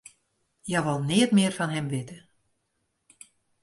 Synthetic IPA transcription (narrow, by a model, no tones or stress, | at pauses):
jɛʋɔlˠnɪətmɪərfɔnɦɛmʋɪtə